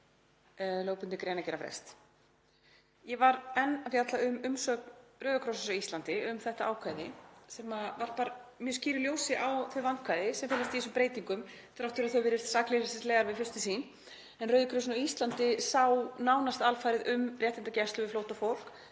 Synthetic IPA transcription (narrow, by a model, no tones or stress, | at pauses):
loːwpʏnt̪ɪkɾeːjnacɛːɾafɾɛ̰st̪ | jɛvaɾɛnːafjat̪laʏmʏmsœkrœːɥðʏkʰɾɔowsʏsawist̪ant̪ɪʏmθɛht̪aʔaːwkʰvajðɪsɛːmavaɾ̥paːɾamjœsciːɾɪljoːwsɪʔawθœɥjvankʰvajðɪsɛmfɪnːast̪iisʏmpɾeːjt̪iŋkʏm | t̪ɾaft̪ːʏɾaθœvɪːɾɪɾ̥t̪saklɪsɛsleːɣaɾvɪðfʏ̥st̪ɪsiːn | ɛnrœːɥðʏkʰɾows̬naist̪lant̪ɪsaːwnaːwnast̪alfaːjɾɪðʔʏmrjɛht̪ɪnt̪acɛst̪lʏvɪfloːwht̪afowl̥k